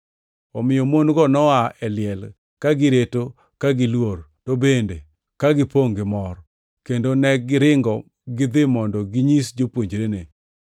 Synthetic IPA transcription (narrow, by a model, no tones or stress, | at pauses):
ɔmɪjɔmonɡɔnɔaɛlɪɛl | kaɡɪɾeto | kaɡɪlwortobende | kaɡɪpoŋɡɪmɔr | kendonɛɡɪɾɪŋɡɔ | ɡɪd̪ɪmɔndɔɡɪɲisd͡ʒopwoɲd͡ʒɾene